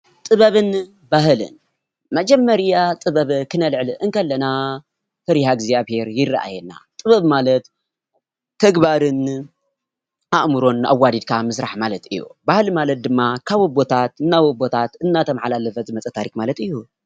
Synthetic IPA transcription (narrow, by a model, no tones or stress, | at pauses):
t̪ʼɨβɐβɨn | baɦɨlɨ̰n | mɐd͡ʒɐmːɐɾijat̪ʼɨβɐβkʰɨnɐlʕlɨʔɨnkʰɐlːɐna | t̪ʰɐɾihaɡzijaβhe̞ɾjɪrːaʔa̰jɛnːa̰t̪ʼɨβɐβmalɐt̪ʰː | ɐɡbaɾɨn | aʔmɨɾo̞na̰wːad̪id̪̚kʰamɨsɾaħmalɐt̪ɨjːṵbahɨlmalɐt̪̚d̪ɨmːakʰaβɨbo̞t̪ʰat̪ɨnːawobo̞t̪ʰat̪ɨnːat̪ʰɐmħalalɐfɐzɨmɐt͡sʼɐt̪ʰaɾikmalɐt̪ɨjːu